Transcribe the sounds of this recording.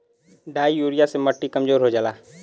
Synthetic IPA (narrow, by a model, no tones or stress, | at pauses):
ɖaːijuːɾɪjaseməʈːikɐmzoːɾɦoːd͡ʒalaː